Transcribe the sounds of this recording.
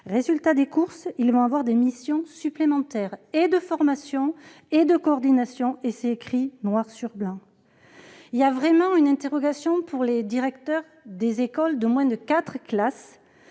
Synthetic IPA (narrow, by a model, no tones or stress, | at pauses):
ʁezylt̪ad̪ekuʁsilvɔ̃avwaʁd̪emisjɔ̃syplemɑ̃t̪ɛʁed̪əfɔʁmasjɔ̃ | ed̪əkoɔʁd̪inasjɔ̃esekχinwaʁsyʁblɑ̃ | iljavʁɛmɑ̃ynɛ̃t̪eʁɔɡasjɔ̃puʁled̪iʁɛkt̪œʁ | d̪ezekɔld̪əmwɛ̃d̪əkat̪χklas